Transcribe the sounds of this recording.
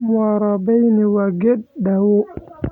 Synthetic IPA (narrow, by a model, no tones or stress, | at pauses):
mɔɾɔbɛjniwaɡeɗ̚ɗawo